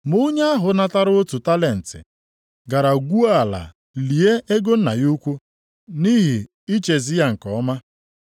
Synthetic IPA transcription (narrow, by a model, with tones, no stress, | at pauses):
mʊ˦ɲa˦a˦ɦʊ˨na˦ta˦ɾʊ˦o˦tu˨ta˦le˨n̩˨tɪ̰˨ | ɡa˨ɾa˨ɡʷu˦a˦a˨la̰˨ | li˨e˦ʔe˦ɡo˦n̩˦na˨ju˦kʷu˦ | ni˦ɦi˨ | i˦t͡ʃe˨zɪ˦ja˦ŋ̩˨kɔ˨˦ma˦